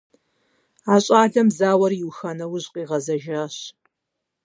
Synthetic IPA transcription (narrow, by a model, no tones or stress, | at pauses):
aːɕʼaːɮɐmzaːwɐrjɪwxɐnɐwʊʑqʼiːʁɐzɐʒaːɕ